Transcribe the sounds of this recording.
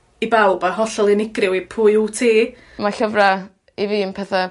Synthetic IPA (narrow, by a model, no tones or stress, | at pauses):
ibawbaɦɔɬɔlˠɪnɪɡrɪwipʰuːjutʰeː | maɬəvra | iviːnpʰɛθa